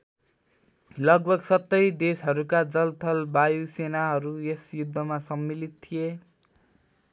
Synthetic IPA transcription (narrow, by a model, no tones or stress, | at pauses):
lʌɡ̚bʱʌɡsʌt̪ːʌjd̪esɦʌɾukad͡zʌlt̪ʰʌlbajusenaɦʌɾuesjud̪ʱːʌmasʌmːilit̪t̪ʰije